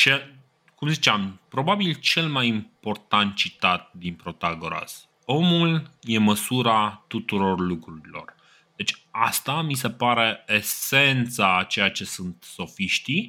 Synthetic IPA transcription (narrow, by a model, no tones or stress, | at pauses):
t͡ʃe | kumzit͡ʃampɾo̞babilt͡ʃe̞lmajimpo̞rt̪ant̪̚t͡ʃit̪at̪̚d̪inpɾo̞t̪aɡoɾa̰s | o̞mulje̞məsuɾat̪ut̪uɾo̞rlukɾuɾilo̞̰r | d̪̥e̞t͡ʃʲa̰st̪amise̞paɾe̞ese̞nt̪sat͡ʃe̞jat͡ʃe̞sunt̪so̞fiʃt̪i